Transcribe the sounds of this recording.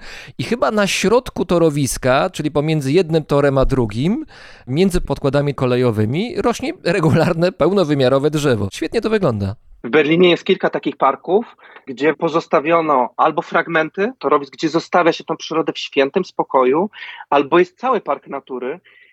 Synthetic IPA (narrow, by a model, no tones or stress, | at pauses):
ixɘbanaɕɾɔt̪kut̪ɔɾɔvʲiskat͡ʂɘlʲipɔmʲjɛnd̪zɘjɛd̪̚nɘmt̪ɔɾɛmad̪ɾuɡʲim | mʲjɛnd̪zɘpɔt̪̚kwad̪amʲikɔlɛjɔvɘmʲiɾɔɕɲɛɾɛɡulaɾnɛpɛwnɔvɘmʲjaɾɔvɛdʐɛvɔ̰ɕfʲɛt̪ɲɛt̪ɔvɘɡlɔnd̪avbɛɾlʲiɲɛjɛst̪kʲilkat̪akʲixpaɾkuf | ɡd͡ʑɛpɔzɔst̪avʲjɔnɔʔalbɔfɾaɡmɛnt̪ɘt̪ɔɾɔvʲizɡd͡ʑɛzɔst̪avʲjaɕɛt̪ɔ̃w̃pʂɘɾɔd̪ɛfɕfʲjɛnt̪ɛmspɔkɔjualbɔjɛst̪̚sawɘpaɾknat̪uɾɘ